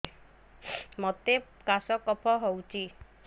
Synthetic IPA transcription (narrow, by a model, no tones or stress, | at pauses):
mɔt̪e | kasɔkɔpʰɔɦɔwt͡ʃʰi